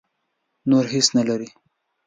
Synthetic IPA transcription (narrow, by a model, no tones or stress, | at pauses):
noɾɦisnalaɾi